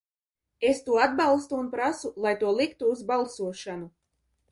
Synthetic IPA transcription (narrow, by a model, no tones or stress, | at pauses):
est̪uɔad̪̚balˠst̪uːnpɾasulˠajt̪uɔlˠikt̪uːzbalˠsuɔʃanu